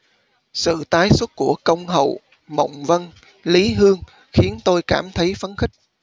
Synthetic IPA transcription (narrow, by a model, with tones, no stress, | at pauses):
sɨ̰˧˨t̪aː˨˦jswə˦˥t̚ku˧˩əkə˧wŋ͡mɦə̰˧˨w | mə̰˧˨wŋ͡mvə˧n | li˨˦ɦɨ˧əŋ | xi˨˦ənt̪o˧jkaː˧˩mt̪ʰə˨˦jfə˨˦nxï˦˥k̟̚